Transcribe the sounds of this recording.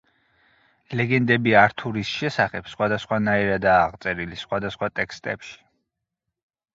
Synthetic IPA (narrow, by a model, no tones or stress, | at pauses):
lɛɡɛnd̪ɛbiaɾt̪ʰuɾisʃɛsaχɛpsχwad̪asχwanaiɾad̪aːʁt̪sʼɛɾilisχwad̪asχwat̪ʼɛkʰst̪ʼɛ̰pʃi̥